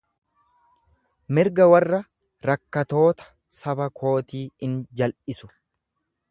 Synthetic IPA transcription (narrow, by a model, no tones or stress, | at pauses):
mɪɾɡɐwɐrːɐ | ɾɐkːɐt̪o̞ːt̪ɐ̥ | sɐbɐkʰo̞ːt̪iːɪnd͡ʒɐlʔɪsʊ̥